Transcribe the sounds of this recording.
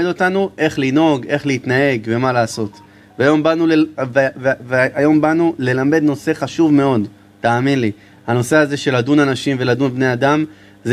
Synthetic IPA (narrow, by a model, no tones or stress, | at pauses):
edo̞t̪anuʔe̞χlino̞ɡe̞χleit̪nae̞ɡve̞malaːso̞t̪ | vajo̞mbanuvevveajo̞mbanule̞lame̞d̪no̞se̞χaʃuvme̞o̞d̪ | taːminli | hano̞se̞aze̞ʃe̞ladunanaʃimve̞lad̪unbne̞adam | z